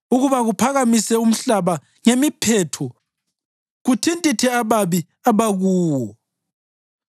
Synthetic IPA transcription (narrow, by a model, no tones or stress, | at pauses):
uɣuβaɣupʰaɣamisɛum̩ɬaβa | ŋemipʰɛtʰɔ | ɣutʰintʼitʰɛaβaβi | aβaɣuːwɔ